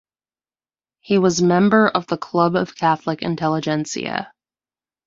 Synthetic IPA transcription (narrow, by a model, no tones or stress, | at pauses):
hiwʌzmɛ̃mbə˞ʔʌvðəkʰl̥ʌbʌv̥kʰæθləkɨ̰̃ntʰɛlˠəd͡ʒɛ̃nsḭɨ̰